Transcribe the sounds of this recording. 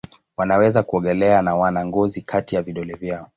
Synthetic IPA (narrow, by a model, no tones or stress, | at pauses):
wanawɛzakuɔɠɛlɛanawanaŋɡɔzikʰatijaviɗɔlɛvjaɔ